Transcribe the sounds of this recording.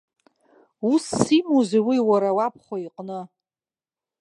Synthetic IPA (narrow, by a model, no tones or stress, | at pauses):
usːimoziwiwaɾawap̚ʰχʷaiqʼnɨ